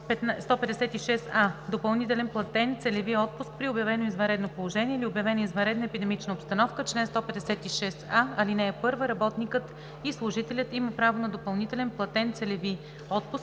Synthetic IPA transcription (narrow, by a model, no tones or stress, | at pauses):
pɛt̪st̪ɔpɛd̪ɛsɛt̪iʃɛsad̪opɐlˠnit̪ɛlɛnplˠɐt̪ɛnt̪sɛlɛviɔt̪̚pʊsk̚pɾiobjɐvɛnoizvɐnɾɛd̪nopolˠoʒɛniɛilʲiobjɐvɛnoizvɐnɾɛd̪nəɛpid̪ɛmit͡ʃnəopst̪ɐnɔfkət͡ʃlɛnst̪ɔpɛd̪ɛsɛt̪iʃɛsaɐlinɛːpɤɾvəɾɐbɔt̪nikɤt̪ | islˠʊʒit̪ɛlʲət̪iməpɾavonɐd̪opɐlˠnit̪ɛlɛnplˠɐt̪ɛnt̪sɛlɛvi | ɔt̪̚pʊsk̚